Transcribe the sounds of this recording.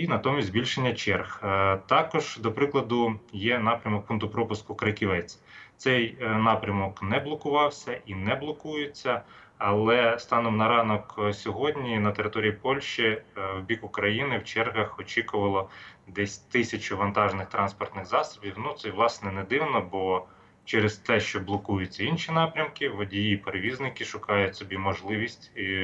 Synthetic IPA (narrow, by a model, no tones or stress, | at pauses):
inɐt̪ɔmʲisʲzʲbʲilʲʃenʲːɐt͡ʃɛrxt̪ɑkɔʒ̥d̪ɔpɾɪklˠɐd̪ʊjɛnɑpɾʲɐmɔk̚punt̪ʊpɾɔpʊskʊkɾɐkʲiʋɛt͡sʲ | t̪sɛjnɑpɾʲɐmɔknɛblˠɔkʊʋɑwsʲɐʔinɛblˠɔkujɪt͡sʲːɐ | ɐlˠɛst̪ɑnɔmnɐɾɑnɔksʲɔɦɔdʲnʲinɐt̪eɾɪt̪ɔɾʲijipɔlʲʃt͡ʃiwbʲikʊkɾɐjinɪwt͡ʃɛrɦɐxɔt͡ʃʲikʊʋɐlˠɔd̪ɛsʲt̪ɪsʲɐt͡ʃʊʋɐnt̪ɑʒnɪxt̪ɾɑnspɔrt̪nɪxzɑsɔ̥bʲiwnut̪sɛʋlˠɑsnɛnɛd̪ɪwnɔbɔ | t͡ʃɛɾɪst̪ɛʃt͡ʃɔblˠɔkujʊt͡sʲːɐinʃʲinɑpɾʲɐmkɪʋɔdʲijipeɾeʋʲiznɪkɪʃʊkɑjʊtʲsɔbʲimɔʒlˠɪʋʲisʲtʲ